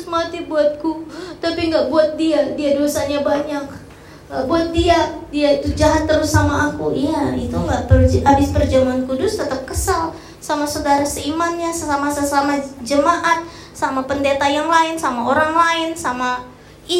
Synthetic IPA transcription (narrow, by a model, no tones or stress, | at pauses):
smat̪ibuat̪̚kut̪apiŋɡaʔbuat̪̚diadiadosaɲabaɲak̚ | ɡaʔbuat̪̚diadiait̪ud͡ʒaɦat̪ːəɾʊsːamaːkujait̪uŋɡaʔpəabɪspərd͡ʒamaankudʊst̪ət̪əp̚kəsal | samasodaɾasəimanɲasamasəsamad͡ʒəmaʔat̪̚ | samapəndet̪ajaŋlaɪnsamaoɾaŋlaɪnsama | i